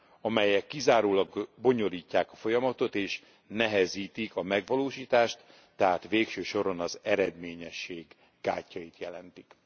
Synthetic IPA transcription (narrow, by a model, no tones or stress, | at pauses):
ɒmɛjɛkːizaːɾoːlɒɡbo̞ɲo̞liːcːaːkɒfo̞jɒmɒt̪o̞t̪eːʃ | nɛɦɛziːt̪ikɒmɛɡʋɒloːʃiːt̪aːʃt̪ː | ɛɦaːt̪ʋeːkʃøːʃo̞ɾonɒzɛɾɛd̪meːɲɛʃːeːɡː | aːcːɒjit̪jɛlɛnt̪i̥k